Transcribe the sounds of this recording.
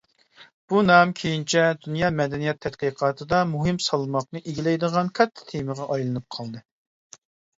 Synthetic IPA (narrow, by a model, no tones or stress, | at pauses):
b̥unɑmkʲʰejint͡ʃʰɛd̪unjɑːmɛd̪ɛnijɛt̪ʰːɛt̪qiqʰɑːt̪ʰɨd̪ɑmuɦɨmsɑlˠmɑqnɨʔeɡʲilɛjd̪əʁɑnkʲʰɛt̪ʰːɛ̥t̪ʰeməʁɑʔɑjlˠɨnɨp̚qʰɑlˠd̪ɨ